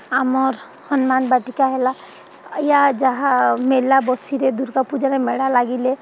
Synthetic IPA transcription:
amɔɾ | sənmanbaʈikaɦela | jad͡ʒaɦamelːabɔsiɾed̪uɾkapud͡ʒaɾemeɽalaɡile

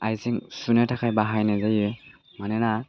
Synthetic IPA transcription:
ajziŋsunɛtʰakʰajbaɦajnazaje | manɛna

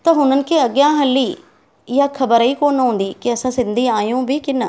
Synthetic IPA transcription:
t̪aːɦʊnənkeəɡjãːɦəlːiː | jaːkʰəbəɾiːkoːnɦõːnd̪iːkɪəsãːsɪ̃nd̪iːãːjõːbiːkɪnːaː

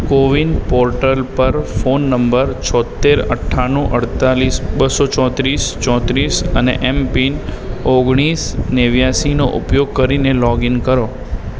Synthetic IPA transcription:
koʋinpɔɾʈəlpəɾfonːəmbəɾt͡ʃʰɔt̪ːeɾə̰ʈʰːanũʔəɽt̪alisbəsot͡ʃɔ̃t̪ɾist͡ʃɔ̃t̪ɾisənḛʔɛmpinoɡɽ̃isneʋjasinoʔṵpjoɡ̚kəɾinelɔɡinkəɾo

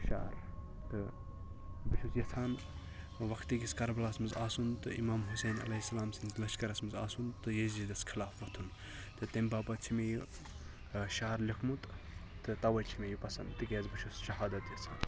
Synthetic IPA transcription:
ʃa̰ːɾ | t̪ɨ | bɨʃʰusjɐt͡sʰaːn | ʋɐkʰt̪iɡʲiskɐɾbɐlaːsmɨzaːsunt̪ɨʔḭmaːmɦuseːnɐ̰lɐɦisːɐlaːmsɨnzlɐʃkɐɾɐsmɨza̰ːsunt̪ɨjezizd̪ɐskʰilaːfʋɐt̪ʰun | t̪ɨt̪embaːpɐt͡ʃʰimeji | ʃaːɾlikʰmut̪ | t̪ɨt̪ɐʋɐlt͡ʃʰimʲejipɐsɐnt̪ɨkʲeːzbɨʃʰusʃɐɦaːd̪ɐt̪jɐt͡sʰa̰ːn

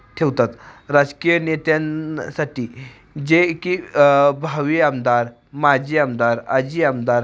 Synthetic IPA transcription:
t̪ʰeʋt̪at̪ɾad͡zkijənet̪jansaʈiː | d͡ʑekibʱaʋiamd̪aɾ | mad͡ʑiːamd̪aɾad͡ʑiːamd̪aɾ

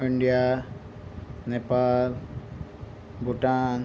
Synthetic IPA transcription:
iɳɖija | nepaːl | buʈaːn

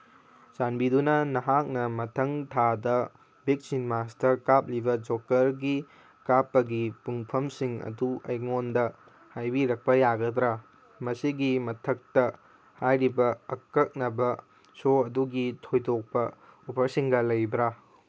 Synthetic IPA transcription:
sanbidunɐnɐɦak̚nɐmɐtʰɐŋtʰadɐ | bik̚sinmastɐkap̚libɐd͡ʒokɐɾɡi | kapːɐɡipuŋpʰɐmsiŋɐ̰duɐ̰jŋondɐ | hajbiɾɐk̚pɐjaɡɐdɾa | mɐsiɡimɐtʰɐk̚tɐ | hajɾibɐɐkːɐk̚nɐbɐ | soɐduɡitʰojtʰok̚pɐupʰɐɾsiŋɡɐlɐjbɾa

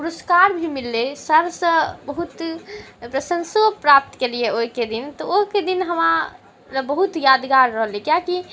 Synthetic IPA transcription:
puɾəskaɾbʱimilːesəɾsə̃bəɦut̪pɾəsənsopɾap̚t̪kelieoɦiked̪int̪ɔoɦked̪inɦəma | ɾəbəɦut̪jad̪ɡaɾːəɦlikjaki

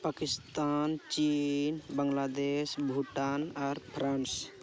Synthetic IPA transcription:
pakɪst̪ant͡ʃinbəŋɡlad̪eʃbʱuʈanaɾpʰɾans

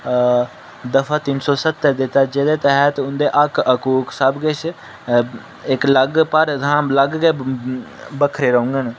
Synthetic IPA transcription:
d̪əfʰaːt̪ɪnsɔːsət̪ːəɾd̪ɪt̪ːaːd͡ʒeːd̪eːt̪ɛɦət̪ʊnd̪eːʔəkʰəkuːksəbɡɪt͡ʃʰ | ɪkləɡpəɾt̪ãːləɡkeː | bəkʰɾeːɾəʊ̃ŋɡən

